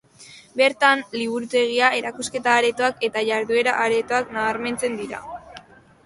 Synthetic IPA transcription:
be̞ɾt̪anliβ̞uɾut̪e̞ɣ̞iae̞ɾakuske̞t̪aːɾe̞t̪oake̞t̪aʝaɾðue̞ɾaʔaɾe̞t̪oaknaβaɾme̞nt͡se̞nd̪iɾa̰

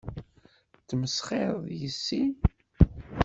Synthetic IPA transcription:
t͡sːməsχeðˤjəsːi

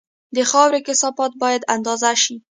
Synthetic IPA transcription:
d̪əxɑwɾekɪsɑfɑt̪̚bɑjad̪and̪ɑzaʃi

